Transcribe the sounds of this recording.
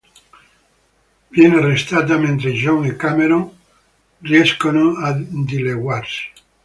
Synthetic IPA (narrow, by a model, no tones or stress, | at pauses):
bjenarest̪at̪̬amẽnt̪ɾeʒoŋikameɾoŋ | rjeskonoad̪ileɣwaɾse̥